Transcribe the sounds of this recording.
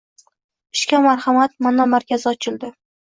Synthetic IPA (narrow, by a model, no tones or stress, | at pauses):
ɪʃkʲamaɾhamat̪manamaɾkʲazɪɒt͡ʃʰɪld̪ɪ